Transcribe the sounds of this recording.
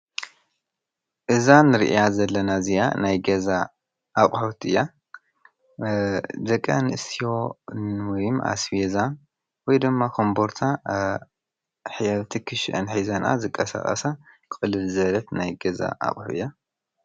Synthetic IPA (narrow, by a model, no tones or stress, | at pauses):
ʔɨzanɨɾɨ̰ʔijazɐlːɐnazija̰najɡɐza | ʔːχʼħot̪ɨjːa | d̪ɐkʼːa̰nɨɨst̪ʰijonwɔjmʔa̰sfeza | wɔjd̪ɨmːakʰo̞mboɾt̪ʰa | ħβt̪ʰikʰɨʃʔɐnħizɐnʔa̰zɨkʼːɐsa̰χʼɐ̰sakɨɨlɨlzɐlɐt̪najɡɐza̰ʔa̰χʼħuʔɨjːa